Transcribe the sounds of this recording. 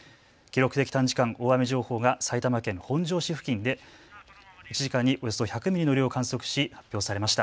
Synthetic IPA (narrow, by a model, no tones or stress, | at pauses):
kʲiɾo̞kɯ̟t̪e̞kʲi̥t̪ãɲ̟d͡ʑi̥kãŋo̞ːamʲiʑo̞ːho̞ːɡasait̪amakẽ̞ŋhõ̞ɲ̟d͡ʑo̞ːɕiɸɯ̟̥kʲĩnd̪e̞ | it͡ɕiʑikãɲ̟ːiʔo̞joso̞çakɯ̟mʲiɾʲino̞ɾʲio̞kãɰ̃so̞kɯ̟̥ɕihapʲːjo̞ːsaɾe̞maɕi̥t̪a̰